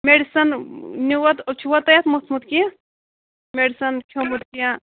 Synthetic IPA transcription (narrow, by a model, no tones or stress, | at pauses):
meɽisɐnnuwɐt̪t͡ʃʰuwɐt̪ɐjɐt̪mut̪ʰmut̪̚kijã | meɽsɐnkʰomut̪kijã